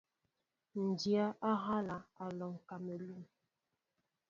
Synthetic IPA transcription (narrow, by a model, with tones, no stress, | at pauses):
n̩˨di˨a˦ʔa˦ɦa˦la˨a˨lɔ˨ŋ˨ka˨me˨lu˨m